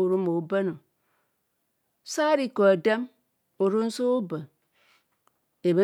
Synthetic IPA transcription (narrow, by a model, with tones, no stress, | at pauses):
o˨ɾu˦mo˨˦be˦no˨ | sa˦ɾi˦ko˨a˨de˦m | o˨ɾu˦n̩˦so˦o˦bə˨ | e˨be˦